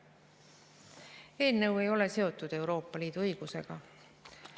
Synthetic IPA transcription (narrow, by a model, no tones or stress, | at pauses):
e̞ːlnɤwe̞jo̞le̞se̞o̞t̪ːˑud̪̥e̞uwɾo̞ːpːˑɑliːd̪̥uɤjɡ̥use̞̰ɡ̥ɑ